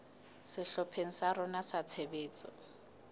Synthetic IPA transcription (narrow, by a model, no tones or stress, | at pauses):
sɪɬɔpʰeŋ̩saɾɔnasat͡sʰebeːt͡sʼɔ̰